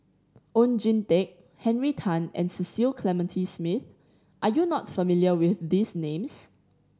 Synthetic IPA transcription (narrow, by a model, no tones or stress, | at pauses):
ʔõnd͡ʒĩntek̚ | hɛ̃nɹitʰãnɛ̰̃nsisilkʰlɛmə̃ntʰismiθ | ʔajunɔtfəmiljəwɪθdisnẽms